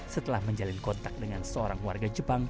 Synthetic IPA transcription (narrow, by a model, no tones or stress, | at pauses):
sət̪əlahməɲd͡ʒalɪnkɔnt̪ak̚dəŋansəoɾaŋwa̰rɡad͡ʒəpaŋ